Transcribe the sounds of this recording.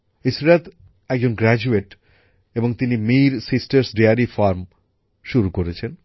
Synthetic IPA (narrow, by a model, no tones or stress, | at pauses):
isɾad̪ | ɛk̚d͡ʑonɡɾɛd͡ʑueʈ | eboŋt̪inimiɾsisʈeɾsɖeaɾifaɾm | ʃuɾukoɾet͡ɕʰen